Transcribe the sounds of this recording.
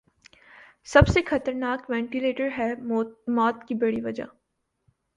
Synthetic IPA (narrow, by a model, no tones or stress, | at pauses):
sɐbsexɐt̪əɾnaːkʋɛ̃ːɳʈɪleːʈəɾɦɛmɔːt̪kibɐɽiʋɐd͡ʒa̰